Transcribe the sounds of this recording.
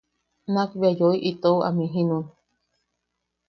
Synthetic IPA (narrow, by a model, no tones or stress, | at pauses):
nakβjajoiʔit̪owa̰mĩɦĩnũ